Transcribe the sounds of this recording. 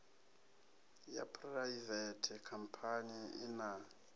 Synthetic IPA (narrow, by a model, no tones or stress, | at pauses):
ja̰pʰraivɛtʰɛkʰam̩pʰaniḭna